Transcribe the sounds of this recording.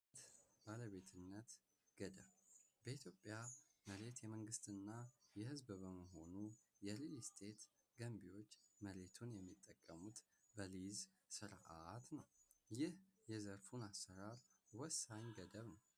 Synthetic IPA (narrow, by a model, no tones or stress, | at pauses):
t̪baləβe̞t̪ʰɨnːət̪ | ɡ̥əd̪əβbəit̪ʰjo̞pʼːjaməɾe̞t̪jɛməŋɡɨst̪ɨnːajɛhɨzbbəməɦo̞nujɛlist̪ʰe̞t̪ | ɡ̥əmbiwo̞t͡ʃːməɾe̞t̪ʰunjɛmːit̪ʼːəkʼːəmut̪ | bəliz | sɨɾʔat̪nəwjɪhjɛzəɾfunasːəɾaɾwɔsaɲɡəd̪əβnəw